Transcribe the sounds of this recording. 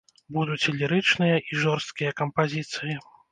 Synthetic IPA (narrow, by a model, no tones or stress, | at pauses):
bud̪ut͡sʲɛlʲiɾɨt͡ʂnɨjɐʔiʐɔrst̪̚kʲijɐkɐmpazʲit̪sɨji